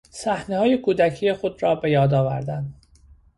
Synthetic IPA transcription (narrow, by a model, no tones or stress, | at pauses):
sæhnehɒːjekʰuːd̪æcʰijexod̪ɾɒːbe̞jɒːd̪ɒːvæ̰ɾd̪æn